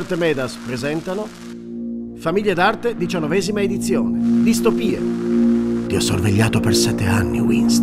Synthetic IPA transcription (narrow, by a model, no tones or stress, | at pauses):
rt̪emɛːd̪aspɾezɛnt̪ano | famiʎːed̪art̪ed̪it͡ʃanːovɛːzimaed̪it̪sːjoːned̪ist̪opiːe | t̪iɔsːorveʎːaːt̪opersɛt̪ːeanːḭwḭns